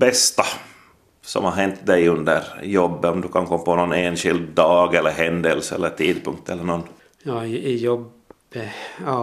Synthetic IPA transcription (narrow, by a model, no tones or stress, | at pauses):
bɛst̪a | sɔ̰mhaɾɦɛnt̪d̪ɛjɵnd̪ə̰ɾjɔbːənɔmd̪ɵkʰankʰɔmːpʰɔnɔnːeːnɧɪld̪ːɑːɡɛlːəɾɦɛnd̪ɛlsɛ̰lːəʈ̪ʰiːd̪̚pʰɵŋk̚t̪ʰɛlːəɳɔnː | jɑːjɔb | ɑː